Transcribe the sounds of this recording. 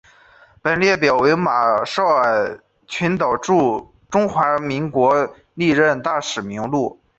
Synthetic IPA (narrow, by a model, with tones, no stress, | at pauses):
pə˨˩nljɛ˥˩pjɑ˨˩ʊwe˧˥ɪma˨˩ʂɑ˥˩ʊa˨˩ɪ | t͡ɕʰy˧˥nt̪ɑ˨˩ʊʈ͡ʂu˥˩ | ʈ͡ʂʊ˥ŋxwa˧˥mi˧˥ŋkwɔ˧˥ | li˥˧ɻə˥˧nt̪a˥˩ʂɻ̩˨˩mi˧˥ŋlu˥˩